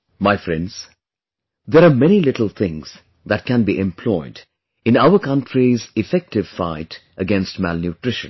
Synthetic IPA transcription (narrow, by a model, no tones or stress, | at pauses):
maɪfɾɛ̰̃ndz̥ | d̪eɾaːmɛnilɪʈəl̩ˠt̪ʰɪ̃ŋz̥ | d̪æʈ̚kæ̃nbiʔɛ̃mpʰlɔɪd | ɪ̃naʊəkʌ̃nʈʰɾizɪfɛk̚ʈɪʋfa̰ɪt | əɡɛ̃nstmælnjuʈɾɪʃə̰̃n